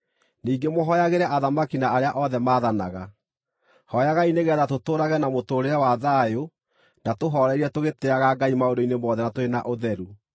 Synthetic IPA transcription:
niːɡemoɦɔjaɣeɾɛʔaðamakinaaɾeaʔɔðɛmaːðanaɣa | hɔjaɣaineɣɛðatotoːɾaɣɛnamotoːɾeawaðaːjo | natoɦɔɾɛɾiɛtoɣeteaɣaɡaimaodoinemɔðɛnatoɾena̰ʔoðɛɾu

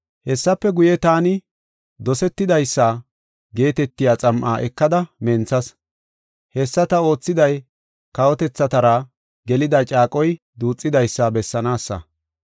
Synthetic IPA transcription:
hɛsːɐpːɛɡʊjɛt̪aːnɪ | d̪ɔsɛt̪ːɪd̪ɐjsːaː | ɡe̞ːt̪ɛt̪ːɪjaːt͡sʼɐmʔa̰ːʔɛkːɐd̪ɐmɛnt͡sɐs | hɛsːɐt̪ɐo̞ːt͡sːɪd̪ɐj | kɐwɔt̪ɛt͡sːɐt̪ɐɾa | ɡɛlɪd̪ɐt͡ʃʼaːkʼɔj | d̪uːt͡sʼːɪd̪ɐjsːaːbɛsːɐnaːsːɐ̰

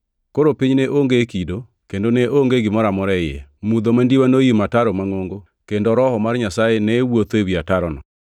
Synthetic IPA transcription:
koɾopiɲneʔoŋɡekido | kendoneʔoŋɡeɡɪmɔɾamɔɾɛɪɛ̰mud̪omandiwanojimataɾɔmaŋoŋɡo | kendɔɾɔhɔmarɲasaenɛwot̪oewiataɾɔnɔ

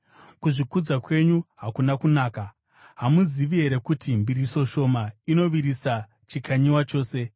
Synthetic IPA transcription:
kuʐikud͡zakwe̞ɲuɦakunakunaːka | ɦamuziʋiɦe̞ɾe̞kutimbiɾiso̞ʃo̞maino̞ʋiɾisa | t͡ʃikʰaɲiwat͡ʃo̞ːse̞

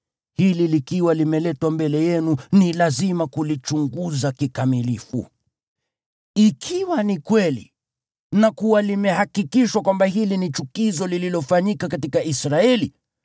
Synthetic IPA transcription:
hililikiwalimɛlɛtwambɛlɛjɛnunilazimakulit͡ʃuŋɡuzakikamilifṵ | ikʰiwanikwɛlḭ | nakuwalimɛhakikiʃwakwambahilinit͡ʃukizɔlililɔfaɲikakatikaisɾaɛli

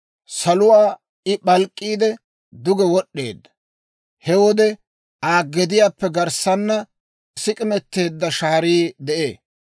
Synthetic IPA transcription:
sɐlʊwaː | ɪɓɐlkʼːiːd̪ɛ | d̪ʊɡɛwɔɗːe̞̰ːd̪ːɐ̥ | hɛwɔd̪ɛ | ʔaːɡːɛd̪ɪjaːpːɛɡɐɾsɐnːɐ | sɪkʼɪmɛt̪ːe̞ːd̪ːɐʃaːɾiːd̪ɛʔeː

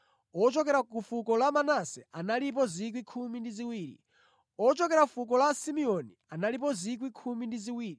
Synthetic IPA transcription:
ɔt͡ʃɔk̬ɛɾakufukɔlamanasɛanalip̬ɔzik̬wikʰumindiziwiːɾḭ | ɔt͡ʃɔkɛɾafuk̬ɔlasimiɔnianalip̬ɔzik̬wikʰumindiziwiːɾi

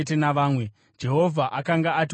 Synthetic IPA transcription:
t̬enaʋaːmwe̞ | d͡ʒe̞ɦo̞vʱaʔakaŋɡaat̬i

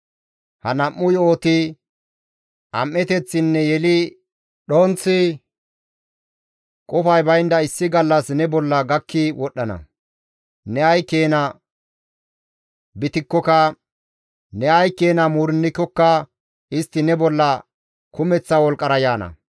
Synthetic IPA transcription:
hɐnɐmːʊjoːt̪ɪ | ʔɐmːɛt̪ɛt͡sːɪnːɛjɛlɪ | ɗont͡sːɪ | kʼɔfɐjbɐjnd̪ɐɪsːɪɡɐlːɐsnɛbɔlːɐɡɐkːɪwɔɗːɐnɐ̰ | nɛɐjkːe̞ːnɐ | bɪt̪ɪkːɔkɐ | nɛɐjkːe̞ːnɐmuːɾɪnːɪkːɔkːɐ | ɪst̪ːɪnɛbɔlːɐ | kʰʊmɛt͡sːɐwɔlkʼːɐɾɐjaːnɐ̰

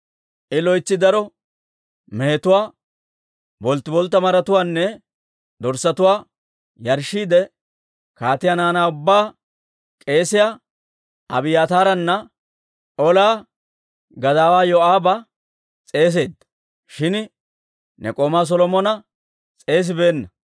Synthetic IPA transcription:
ʔɪlɔjt͡sːɪd̪ɐɾɔ | mɛɛt̪ʊwaː | bɔlt̪ːɪbɔlt̪ːɐmɐɾɐt̪ʊwaːnːɛ | d̪ɔɾsɐt̪ʊwaː | jɐɾʃːiːd̪ɛ | kaːt̪ɪjanaːnaːʊbːaː | kʼe̞ːsɪja | ɐ̰bɪjaːt̪aːɾɐnːɐ | ɔlaː | ɡɐd̪aːwaːjɔaːbɐ | t͡sʼe̞ːs̬e̞ːd̪ːɐ̥ | ʃɪn | nʔɛ̰kʼoːmaːs̬ɔlɔmɔnɐ | t͡sʼe̞ːs̬ɪbe̞ːnːɐ

